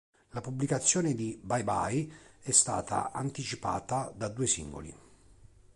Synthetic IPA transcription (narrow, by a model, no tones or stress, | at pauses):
lapubːlikat̪sːjɔːned̪ibajba̰jɛst̪a̰ːt̪ʰa̰ʔant̪it͡ʃipa̰ːt̪ad̪ad̪uːesḭŋɡo̰lḭ